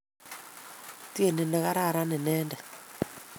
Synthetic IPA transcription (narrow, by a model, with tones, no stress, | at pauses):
ti˦e˦˨ne˨nɛ˨ɣa˦ɾa˦˨ɾa˦ne˨nɛː˦ndɛ˨